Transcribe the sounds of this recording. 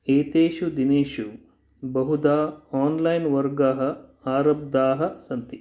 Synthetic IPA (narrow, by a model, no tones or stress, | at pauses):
eːt̪eːʃud̪ineːʃu | bɐɦud̪aːaːnlɐjnʋɐɾɡaːɦɐ̆ | aːɾɐb̚d̪aːɦɐ̆sɐnt̪i